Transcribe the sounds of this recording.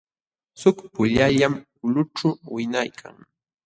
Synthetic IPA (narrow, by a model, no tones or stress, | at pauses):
sʊkpʊʎaʎam | ʊlʊʈ͡ʂʊwɪnajkʰa̰ŋ